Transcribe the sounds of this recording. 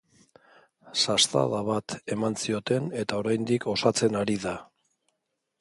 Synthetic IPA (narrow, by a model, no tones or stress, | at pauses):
sast̪a̰ðaβat̪e̞mansio̞t̪e̞ne̞t̪ao̞ɾajnd̪iko̞sat͡se̞naɾiða